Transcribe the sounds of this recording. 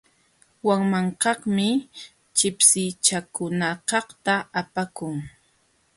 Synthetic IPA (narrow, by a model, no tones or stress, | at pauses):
waŋmaɴqɑχmɪ | t͡ʃɪpsɪjt͡ʃakʊnakɑχt̪aapakʊŋ